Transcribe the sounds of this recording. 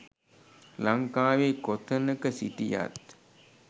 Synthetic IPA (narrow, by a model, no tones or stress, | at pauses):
laŋkaːʋekot̪ʰənəkəsḭʈija̰t̪̚